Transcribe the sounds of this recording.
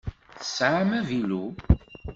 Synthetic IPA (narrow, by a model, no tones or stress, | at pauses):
θə̥sʕamævilu